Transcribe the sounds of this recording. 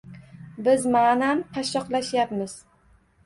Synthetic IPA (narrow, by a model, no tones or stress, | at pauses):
bɪzmaːnamt̪ʰaʃːɒqlaʃjapmɪz̥